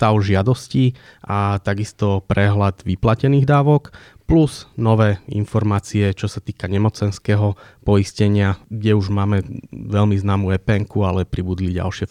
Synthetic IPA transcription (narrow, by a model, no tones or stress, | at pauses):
t̪aʊʒɪad̪ɔsciʔat̪aɡist̪ɔpɾɛɦlad̪ʋiplacɛniːɣd̪aːʋɔk | pluz̥nɔʋɛːḭnfɔɾmaːt͡siɛt͡ʃɔsat̪iːkaɲɛmɔt͡sɛnskɛːɦɔpɔiscɛɲɪaɡɟɛuʒmaːmɛʋɛʎmiznaːmuːɛpɛŋkualɛpɾibud̪liɟa̰lʃɪɛ